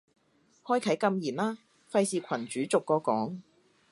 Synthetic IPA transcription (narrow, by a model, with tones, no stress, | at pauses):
hɔː˥jkʰɐ˨˥jkɐ˧mjiː˨˩nlaː˥ | fɐ˧jsiː˨kʰɐ˨˩nt͡ʃyː˨˥t͡sʊ˨kːɔː˧kɔː˨˥ŋ